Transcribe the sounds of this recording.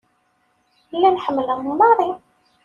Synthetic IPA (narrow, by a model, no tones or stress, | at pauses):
lːænħəmːələʁmumɑɾˤi